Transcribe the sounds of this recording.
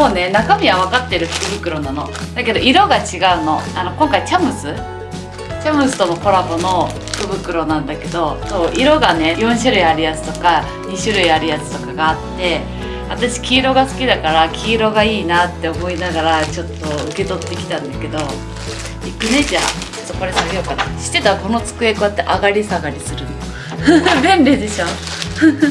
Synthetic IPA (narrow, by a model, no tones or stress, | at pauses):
moːne̞nakamʲiβaβ̞akat̪ːeɾɯ̟ɸɯ̥kɯ̟bɯ̟kɯ̟ɾo̞nano̞̰ | d̪ake̞d̪o̞iɾo̞ɡat͡ɕiɡaɯ̟no̞ano̞kõ̞ŋkait͡ɕamɯ̟sɨ | t͡ɕamɯsɨ̥t̪o̞moko̞ɾabo̞no̞ɸɯ̟̥kɯ̟bɯ̟kɯ̟ɾo̞nãnd̪ake̞d̪o̞so̞ːʔiɾo̞ɡane̞jõ̞ɰ̃ɕɨɾɯ̟iaɾʲiat͡sɨ̥t̪o̞ka | ɲ̟iɕɨɾɯ̟iaɾʲiat͡sɨ̥t̪o̞kaɡaːt̪ːe̞ | βat̪aɕi̥kʲiːɾo̞ɡasɨ̥kʲid̪akaɾakʲiːɾo̞ɡaiːnat̪ːe̞omo̞inaɡaɾat͡ɕo̞t̪ːo̞ɯ̟ke̞t̪o̞t̪ːe̞kʲi̥t̪ãnd̪ake̞d̪o̞ | ikɯ̟ne̞d͡ʑat͡ɕot̪ːoko̞ɾe̞sajokat̪ːaɕi̥t̪ːe̞t̪ako̞no̞t͡sɨ̥kɯe̞koat̪ːe̞ʔaɡaɾʲisaɡaɾʲisɨɾɯ̟n | bẽ̞nɾʲed̪e̞ɕo̞ː